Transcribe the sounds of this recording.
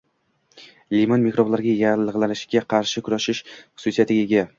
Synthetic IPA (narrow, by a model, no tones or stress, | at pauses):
limonmikɾoblaɾɡʲajalˠɨʁlanɪʃɡʲaqʰɑɾʃɪkʲʰʊɾaʃɪʃχʊ̥susijat̪ʰɪɡʲaeɡʲa